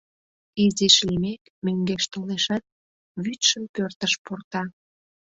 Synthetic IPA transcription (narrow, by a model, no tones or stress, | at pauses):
iziʃlimek | møŋɡeʃt̪oleʃɑt̪̚ | βyt̪ʃəmkørt̪əʃpurt̪ɑ